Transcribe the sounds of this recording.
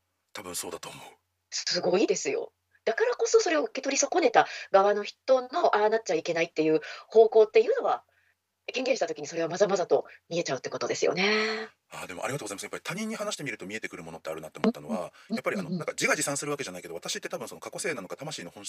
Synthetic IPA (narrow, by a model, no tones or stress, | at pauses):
t̪ʰabɯ̟̃ɰ̃so̞ːd̪at̪o̞ːmoɯ | sɨɡo̞id̪e̞sɨjo̞̰ | d̪̥akaɾako̞so̞so̞ɾe̞oɯ̟ke̞t̪o̞ɾʲiso̞ko̞ne̞t̪aɡaβano̞çi̥t̪o̞nno̞ʔanat̚t͡ɕaike̞nait̪ːe̞jɯ̟ːho̞ːko̞ːt̪ːe̞jɯ̟ːno̞βa | keŋɡẽɕi̥t̪at̪okʲiɲ̟iso̞ɾe̞βamazamazat̪o̞mʲie̞t͡ɕaɯ̟t̪ːe̞ko̞t̪o̞d̪e̞sɨ̰jo̞̰ne̞ | aːd̪e̞mo̞ʔa̰ɾiɡat̪oɡzaimasɨjapːaɾʲit̪ʰaɲ̟ĩɲ̟ːihanaɕi̥t̪emiɾɯ̟t̪omʲie̞t̪e̞kɯ̟ɾɯ̟mo̞no̞t̪ːeaɾɯ̟nat̪ːeomt̪ːano̞βa̰japːaɾʲianonãŋkad͡ʑiɡad͡ʑisãɰ̃sɨɾɯ̟βake̞ʑanaikeoat̪aɕit̪ːe̞t̪abɯ̃so̞no̞kʰako̞se̞ːnano̞ɡat̪amaɕiːno̞hõ̞